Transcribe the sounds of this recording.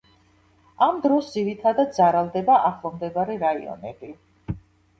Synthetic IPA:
amd̪ɾɔsd̪ziɾit̪ʰad̪ad̪̚d̪zaɾalˠd̪ɛbaʔaχlˠɔmd̪ɛbaɾɛɾaḭɔ̰nɛ̰bi

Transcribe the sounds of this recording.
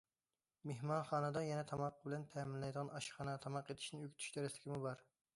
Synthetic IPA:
meɦmɑnχɑːnɨd̪ɑjɛnɛt̪ʰɑmɑqːəbɪlɛnt̪ʰɛmɪnlɛjd̪əʁɑnɑʃχɑnɑt̪ʰɑmɑqet̪ʰɪ̥ʃnɪøkʲt̪ʰy̥ʃt̪ɛɾɪslɪkʲʰimubɑɾ

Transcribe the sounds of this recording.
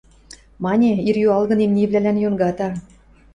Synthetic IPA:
mɑnʲeirjuɑlˠɣɤ̆nemnʲivlælænjonɡɑt̪ɑ

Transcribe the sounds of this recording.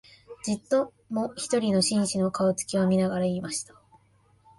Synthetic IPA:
d͡ʑit̪ːo̞ | moçi̥t̪o̞ɾʲino̞ɕĩɰ̃ɕino̞kaot͡sɨ̥kʲiβamʲinaɡaɾaiːmaɕi̥t̪ḁ

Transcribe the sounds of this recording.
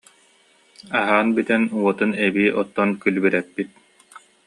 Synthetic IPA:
aɦaːnbit̪ɛnuɔt̪ɯnɛbiːʔɔt̪ːɔnkylbiɾɛpːit̪̚

